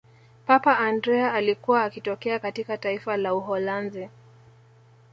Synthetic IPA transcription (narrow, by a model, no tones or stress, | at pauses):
papaʔandɾɛaalikuwaːkitɔkɛakatikataifalauɦɔlanzi